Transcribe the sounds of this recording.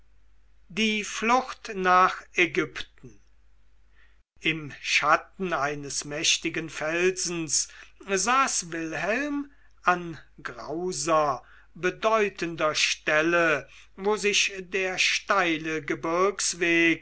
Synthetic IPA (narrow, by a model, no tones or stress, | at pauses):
diːflʊxtnaːχeɡʏptn̩ | ɪmʃatn̩aɪnəsmɛʃtɪɡənfɛlzn̩szaːsvɪlɦɛlm | ʔanɡʁa̰ʊzɐ | bədɔʏtʰəndɐʃtɛlə | voːzɪʃdeːɐʃtaɪləɡəbɪɐksv̥eːk